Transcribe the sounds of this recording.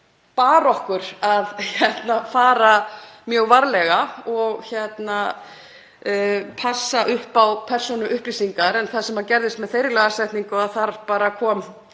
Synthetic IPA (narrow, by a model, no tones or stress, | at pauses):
paːɾɔhkʏɾ̥aðçɛt̪nafaːɾamjœːɣvaɾlɛɣaɔɣçjɛt̪na | pʰasːaʔʏhpawpʰɛr̥sunʏʔʏhplisiŋkaɾɛnθasɛmacɛɾðɪst̪mɛðθejɾɪlɛɣasajht̪niŋkʏaðθaɾpaːɾakʰɔːm